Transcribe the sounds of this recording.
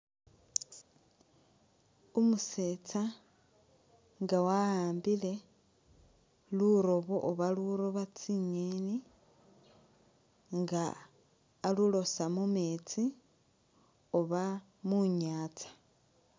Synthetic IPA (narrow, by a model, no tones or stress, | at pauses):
omuset͡sa | ŋɡawaaːmbile̞ | luɾo̞βoʔoβaluɾoβat͡siɲeni | ŋɡaː | lulo̞samumeːt͡si | oβa | muɲaːt͡sḁ